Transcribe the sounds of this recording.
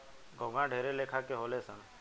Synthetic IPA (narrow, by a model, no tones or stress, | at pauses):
ɡʱõːɡãɖʱeːɾeleːkʰaːkeɦoːleːsə̃ŋ